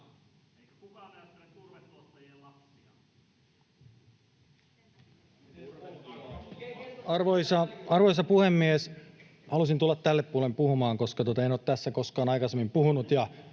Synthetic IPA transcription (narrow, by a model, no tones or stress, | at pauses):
ekunæekurʋetot̪ːɑjelɑpsiɑ | ɑrʋoisɑɑrʋojs̬ɑpuhemːies | hɑlusint̪ulːɑt̪tælːeppuolempuhumɑːŋko̞skɑt̪uot̪ɑenoːt̪t̪æsːækoskɑːnɑikɑsemːimpuhunut̪jɑ